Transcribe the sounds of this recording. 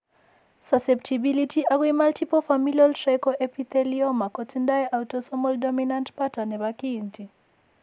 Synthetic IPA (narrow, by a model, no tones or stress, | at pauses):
sasep̚tʰibilitʰiʔaɣwimaltipɔfamilɔltɾɛkɔʔepiθɛliɔmakɔtindajʔawtɔsɔmɔldɔminantpatanɛβakiːnti